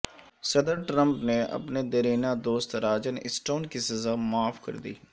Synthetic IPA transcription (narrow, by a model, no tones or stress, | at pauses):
səd̪əɾʈɾə̃mpneʔɐ̰pned̪əɾiːnaːd̪oːst̪ɾaːd͡ʒənɪ̰sʈoːnkisəzaːmaːfʰkə̰ɾd̪ḭː